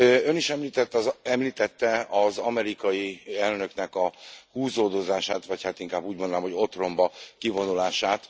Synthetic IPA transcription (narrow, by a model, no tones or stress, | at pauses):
ø̞niʃɛmliːt̪ɛt̪ːzɛmliːt̪ɛt̪ːɛɒzɒmɛɾikɒjiɛlnø̞knɛkɒhuːzoːd̪o̞zaːʃaːt̪ʋɒchat̪iŋkaːbːuːɟmond̪namɦo̞ɟo̞t̪ro̞mbɒkivo̞nulaːʃaːt̪